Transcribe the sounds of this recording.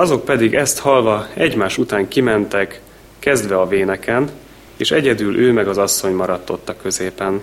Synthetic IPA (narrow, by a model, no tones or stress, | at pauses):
ɒzo̞k̚pɛd̪iɡɛst̪hɒlvɒɛɟmaːʃut̪aːŋkimɛnt̪ɛkː | ɛzd̪ʋɛɒveːnɛkɛn | eːʃɛɟɛd̪ylʔøːmɛɡɒzɒsːo̞ɲmɒɾɒt̪ːo̞t̪ːɒkø̞zeːpɛn